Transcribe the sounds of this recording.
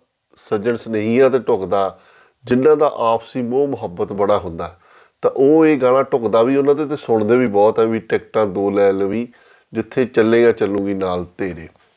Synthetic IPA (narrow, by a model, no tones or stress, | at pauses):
səd͡ʒənsnəɦĩːãːt̪eːʈʊkd̪aː | d͡ʒɪnːãːd̪a̰ːʔaːpsiːmoːmʊɦəbət̪bəɽaːɦʊ̃nd̪aːɛ | t̪ã̰ːʔoːeːɡaːɽ̃ãːʈʊkd̪aːʋiːʊnãːd̪eːt̪eːsʊɳd̪eːʋiːbɔːt̪ɦɛːʋiːʈɛːkʈãːd̪oːlɛːlʋiː | d͡ʒɪt̪ʰːeːt͡ʃəlːẽːɡãːt͡ʃəlːũːɡiːnaːlt̪eːɾeː